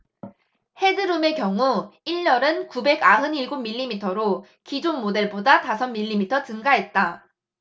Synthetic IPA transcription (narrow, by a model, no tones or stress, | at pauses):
he̞dɯɾɯme̞kjʌŋuiɭːʌɾɯnkube̞ɡaɦɯniɭɡummːiʎːimitʰʌɾo | kid͡ʑonmode̞ɭbodatasʰʌnmːiʎːimitʰʌt͡ɕɯŋɡaɦe̞t̚t͈a